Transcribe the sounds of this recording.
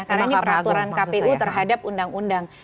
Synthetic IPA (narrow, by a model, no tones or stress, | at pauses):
kaɾainipəɾat̪uɾankapeʔut̪ərɦadapundaŋundaŋ